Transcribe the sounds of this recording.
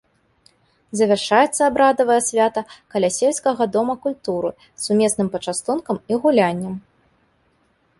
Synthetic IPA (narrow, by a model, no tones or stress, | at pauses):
zɐvʲarʂajɛt̪sːɐːbɾad̪ɐvɐjɛsʲvʲat̪ɐkɐlʲasʲelʲskɐɣɐd̪ɔmɐkulʲt̪uɾɨ̰ | sumʲɛsnɨmpɐt͡ʂast̪unkɐmiɣulʲanʲːɐm